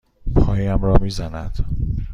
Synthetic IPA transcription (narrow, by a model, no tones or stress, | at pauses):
pʰɒːjiæmɾɒːmiːzænæ̰d̪̥